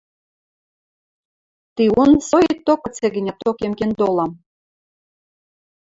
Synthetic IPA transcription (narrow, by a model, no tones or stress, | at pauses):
t̪iunsojiet̪ːokɤ̆t͡seɡɘ̆nʲæt̪okemkend̪olˠɑm